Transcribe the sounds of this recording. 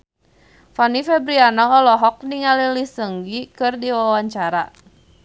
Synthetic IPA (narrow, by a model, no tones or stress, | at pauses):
fanifɛbɾianaɔlɔɦɔk̚niŋalilisəŋɡikɨrdiwawaɲt͡ʃaɾa